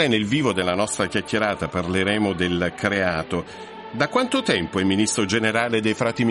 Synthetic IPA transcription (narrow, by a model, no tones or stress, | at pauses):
enelviːvod̪elːanɔst̪ɾakjakʰʲːeɾaːt̪aparleɾeːmod̪elkɾeaːt̪o | d̪akːwant̪ot̪ɛmpoɛmːinist̪ɾod͡ʒeneɾaːled̪ejfɾaːt̪im